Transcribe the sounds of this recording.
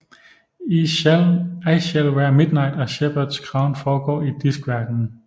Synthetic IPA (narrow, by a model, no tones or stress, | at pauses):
ilæɪɕelʋæɐmɪd̥nɑ̈ɪd̥ɒɕeb̥ɐd̥skʰʁɑ̈ʊ̰nfɒːɡ̥ɒ̰ːid̥isɡ̥ʋæɐd̥n̩